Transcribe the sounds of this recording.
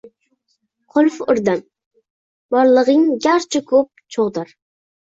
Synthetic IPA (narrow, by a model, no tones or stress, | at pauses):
qʰolfʊɾd̪ɑn | bɑɾlˠəʁəŋɡʲɑɾt͡ʃʰɪkʰop̚t͡ʃʰoʁd̪ɑɾ